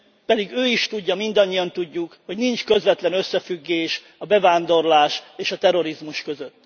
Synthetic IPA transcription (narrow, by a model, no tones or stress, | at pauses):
pɛd̪iɡøːiʃt̪uɟːɒmind̪ɒɲːijɒnt̪uɟːukho̞ɟnint͡ʃkø̞zvɛt̪lɛnø̞sːɛfyɡːeːʃ | ɒbɛvaːnd̪o̞rlaːʃeːʃɒt̪ɛɾo̞ɾizmuʃkø̞zøt̪ː